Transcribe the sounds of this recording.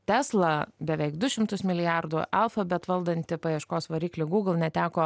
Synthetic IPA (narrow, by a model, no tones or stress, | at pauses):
t̪ʲæːslˠɐbʲɛʋʲɛɪkd̪ʊʃʲɪmt̪ʊsmʲɪlʲɪjærd̪ʊʔɐlˠfɐbʲɛt̪ʋɐlˠd̪ɐnʲt̪ʲɪpɐjiɛʃkoːsʋɐɾʲiːklʲɪɡuːɡl̩ˠnʲɛt̪ʲæːkoː